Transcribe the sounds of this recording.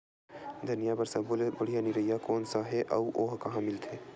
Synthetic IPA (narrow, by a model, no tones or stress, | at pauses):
d̪ʱɐnijabɐɾsɐblbəɽ̤ijaniɾɐɦijakɔːnsaɦɛʔɐuʔoːɦkɐɦãmɪlt̪ʰeː